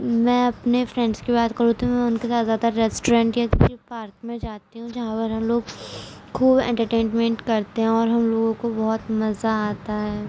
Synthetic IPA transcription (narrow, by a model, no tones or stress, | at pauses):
mɛ̃ːɐpnefɾɛ̃ːɳɖskibaːt̪kɐɾũt̪ʰĩmɛ̃ʊnkesaːt̪zjaːd̪aɾɛːsʈoɾɛ̃ːɳʈjakpɾipaːɾkmẽd͡ʒaːt̪iɦũd͡ʒɐɦãpɐɾɦɐmloːɡ | kʰuːbɛ̰̃ːɳʈəɾʈẽːnmɛ̃ɳʈkɐɾt̪eɦɛ̃ɔːɾɦɐmloːɡõkobɔɦʊt̪mɐzaaːt̪aɦɛː